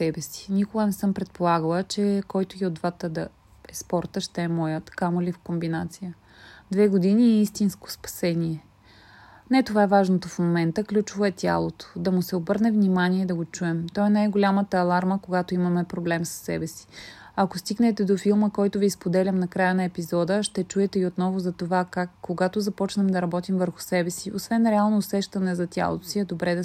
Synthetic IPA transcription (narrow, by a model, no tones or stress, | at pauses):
ɛbɛsi̥nʲikʊɡənɛsɤmpɾɛt̪̚polˠaɡəlˠət͡ʃɛkɔjt̪ʊɡiod̪vat̪əd̪ɐ | ɛspɔɾt̪əʃt̪ɛːmɔjət̪kamoʊlifkombinat̪sijə | d̪vɛɡod̪iniɛist̪insko̥spɐ̥sɛniɛ | nɛt̪ovaɛvaʒnot̪ofmomɛnt̪əklʲut͡ʃʊvoɛt̪ʲa̰lˠot̪o̥d̪ɐmʊsɛobɤɾnɛvnimaniɛd̪ɐɡot͡ʃuɛmt̪ɔɛnajɡolʲamət̪əːlˠaɾməkoɡat̪oimɐmɛpɾoblɛmsə̥sːɛ̰bɛsi̥ | ɐkost̪iɡnɛt̪ɛd̪ofilˠməkɔjt̪ʊvispod̪ɛlʲɐmnɐkɾajənɐɛpizɔd̪əʃt̪ɛt͡ʃuɛt̪ɛiot̪nɔvʊzɐt̪ovakakːoɡat̪ozɐpɔt͡ʃnɐmd̪ɐɾɐbɔt̪imvəɾxʊ̥sɛbɛsiosvɛnɾɛalˠnoːsɛʃt̪ɐnɛzɐt̪ʲja̰lˠo̰t̪osiɛd̪obɾɛd̪ɐ